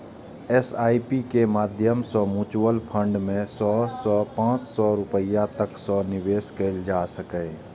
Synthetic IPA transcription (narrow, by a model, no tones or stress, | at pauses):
ɛsaːipikemaːd̪ʱjəmsɔːmũːt͡ʃwəlpʰə̃ɳɖmẽsɔːsɔpãːt͡ʃsɔɾʊpəjat̪əksɔːnɪweːskeld͡ʒaːsəkẽː